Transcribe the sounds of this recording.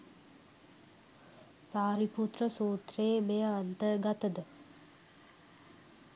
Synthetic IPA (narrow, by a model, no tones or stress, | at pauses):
saːɾiput̪rəsuːt̪reːmejəːnt̪əɡat̪əd̪ə